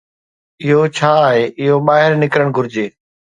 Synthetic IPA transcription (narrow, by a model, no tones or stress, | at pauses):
ɪɦot͡ɕʰaːɦeːʔɪɦoɓaːɦɪɾnɪkɾəɽ̃ɡʱʊɾɪd͡ʑeː